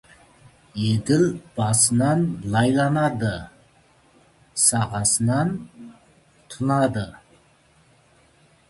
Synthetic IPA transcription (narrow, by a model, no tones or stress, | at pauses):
jed̪ɪlb̥ɑsənɑnlˠɑjlˠɑnɑd̪ə | sɑʁɑsənɑn | t̪ʰʊnɑd̪ə